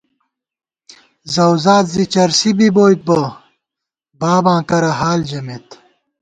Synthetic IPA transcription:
zɐwzaːt̪zit͡ɕɐɾsibiboːjt̪̚bɐ | baːbãːkɐɾɐɦaːld͡ʑɐmet̪

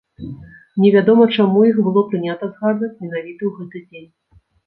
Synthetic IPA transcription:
nʲɛvʲad̪ɔmɐt͡ʂamujixbɨlˠɔpɾɨnʲat̪ɐzɣad̪vɐt͡sʲmʲɛnavʲit̪ɐwɣɛt̪ɨd͡zʲenʲ

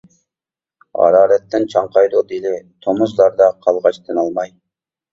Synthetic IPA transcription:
ɑ̰ɾɑːɾɛt̪ʰːɪnt͡ʃʰɑɴqʰɑjd̪ud̪elɪt̪ʰomuzlˠɑɾd̪ɑqʰɑlˠʁɑt͡ʃt̪ʰɨnɑlˠmɑj

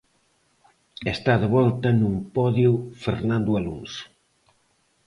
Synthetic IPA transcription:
est̪aðeβɔlt̪ɐnumpɔðjʊfeɾnãnd̪ʊalṵŋs

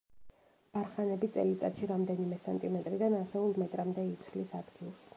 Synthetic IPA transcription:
b̥aɾχanɛbit̪sʼɛ̰lit̪sʼa̰t̪ʃiɾamd̪ɛnimɛsɛnt̪ʼimɛt̪ʼɾid̪anasɛulˠmɛt̪ʼɾamd̪ɛit̪sʰvlisad̪ɡilˠs

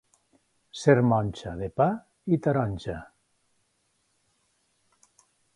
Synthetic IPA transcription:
seɾmɔnʲt͡ʃaðepa | it̪aɾɔnʲʒa

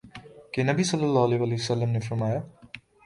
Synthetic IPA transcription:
kenɐbisʌlːəlːaːɦɐleʋaleɦwəsəlːəmnefɐɾmaːja

